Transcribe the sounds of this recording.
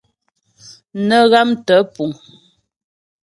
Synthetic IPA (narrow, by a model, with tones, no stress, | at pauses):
nə˨ɣa˦mtə˨˦pu˨ŋ